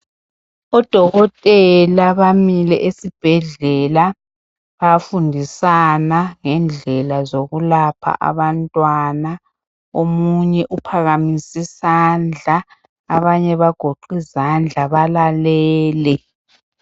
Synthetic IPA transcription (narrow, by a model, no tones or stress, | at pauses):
ɔd̥ʱɔɣɔtʼɛlaβamilɛʔesib̥ʱɛɮɛla | βafundʱisanaŋɛnd͡ɮʱɛlazoɣulapʰa̰ʔa̰βantʼwana | omuɲɛʔupʰaɣamisisand͡ɮʱaː | βaɲɛβaɡ̥ʱoǃizand͡ɮʱaβalalɛːlɛ